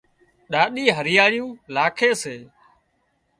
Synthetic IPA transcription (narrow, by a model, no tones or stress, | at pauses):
ɗaːɗiːɦəɾɪjaːɽɪjũːlaːkʰeːseː